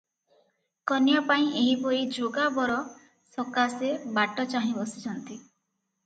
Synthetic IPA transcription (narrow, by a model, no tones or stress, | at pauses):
kɔnjɔpaĩʔeɦipɔɾid͡ʒoɡabɔɾɔ | sɔkasebaʈɔt͡ʃaɦĩbɔsi̥t͡ʃʰɔnt̪i